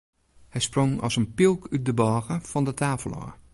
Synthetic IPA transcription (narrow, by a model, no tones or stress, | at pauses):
hɛjsproŋɔ̰sənpilˠkʰyt̚dəbɔːɣəfɔndətʰaːfəlˠɔ̰